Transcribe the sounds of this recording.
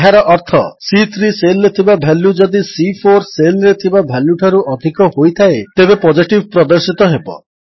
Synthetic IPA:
ɦaɾɔʔɔɾt̪ʰɔsit̪ʰɾiselːet̪ʰibabʱɛlːud͡ʒɔd̪isipʰoɾselɾet̪ʰibabʱalːuʈʰaɾuʔɔd̪ʱikɔhojt̪ʰaet̪ebepɔd͡ʒiʈibʱpɾɔd̪ɔɾsit̪ɔɦebɔ̰

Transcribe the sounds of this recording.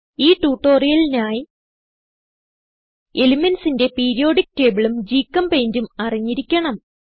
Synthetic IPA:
iːʈuːʈːo̞ːrijɐlinaːji | elimɐnsinde̞peːɾijo̞ːɽik̚ːteːbiɭumd͡ʑiːkːɐmpejndumɐriɲːiɾikʲːɐɳɐm

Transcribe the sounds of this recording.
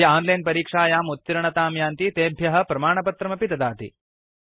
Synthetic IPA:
ɐaːnlɐjnpɐɾiːkʂaːjaːmut̪ːiɾɐɳɐt̪aːmjaːnt̪it̪eːbʱjɐɦɐ̆pɾɐmaːɳɐpɐt̪ɾɐmɐpit̪ɐd̪aːt̪ḭ

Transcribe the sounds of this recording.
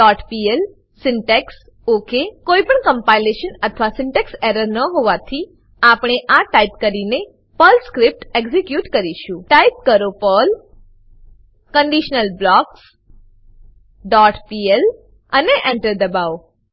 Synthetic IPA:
ɖɔʈpiel | sɪɳʈeks | okekoipəɳkə̃mpajleʃənət̪ʰʋasɪɳʈekseɾəɾnəɦoʋat̪ʰi | apɽ̃eʔaʈaipkəɾine | pəlskɾip̚ʈeɡzikjuʈkəɾiʃũʈaip̚kəɾopəl | kəɳɖiʃnəlblɔks | ɖɔʈpiel | əneʔɛɳʈəɾd̪əbaw

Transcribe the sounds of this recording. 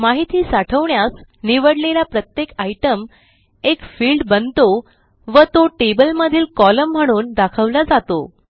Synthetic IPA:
maɦit̪iːsaʈʰəʋɳjasniʋəɽlelapɾət̪jekajʈəm | ekfiːlɖbənt̪o | ʋət̪oʈebəlməd̪ʱiːlkɔləm̤ːəɽ̃uːnd̪akʰəʋlad͡zat̪o

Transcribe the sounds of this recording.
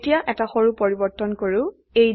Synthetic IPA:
tijaʔɛtaxoɹupoɹibɔɹtɔnkoɹʊ | ej

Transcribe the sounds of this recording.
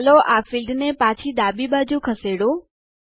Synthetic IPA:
loʔafilɖnepat͡ʃʰid̪abibad͡ʒũkʰəseɽõ

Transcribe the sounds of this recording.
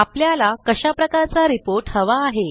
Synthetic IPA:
apljalakəɕapɾəkaɾt͡saɾipoɾʈhəʋaːɦe

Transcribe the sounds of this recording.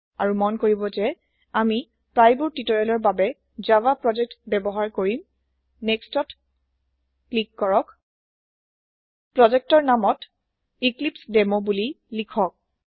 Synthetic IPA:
aɹumɔnkoɹibɔzɛ | ami | pɹajbuɹtitɔɹɛlɔɹbabɛ | zawapɹɔd͡ʒɛk̚tbɛbɔɦaɹkoɹim | nɛkstɔt | klikːɔɹɔk | pɹɔd͡ʒɛk̚tɔɹnamɔt | iklipsdɛmobuli | likʰɔk̚

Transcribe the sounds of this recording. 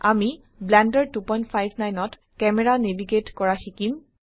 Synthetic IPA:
ami | blɛndəɹtupɔjntpʰajbʱnajnɔt | kɛmɛɹanebʱiɡetkɔɹaxikim

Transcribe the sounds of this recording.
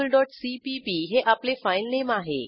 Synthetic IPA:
əlɖɔʈsipipiɦeʔaplefajlnemaɦḛ

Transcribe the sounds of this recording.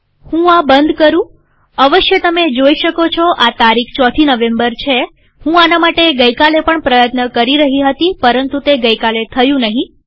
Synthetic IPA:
hũabənd̪ʱkəɾũ | əʋəʃjət̪əmed͡ʒoiʃəkot͡ʃʰoʔat̪aɾikʰt͡ʃɔt̪ʰinəʋembəɾt͡ʃʰe | hũanamaʈeɡəjkalepəɳpɾəjət̪nəkəɾiɾəɦiɦət̪ipəɾənt̪ut̪eɡəjkalet̪ʰəjũnəɦĩ

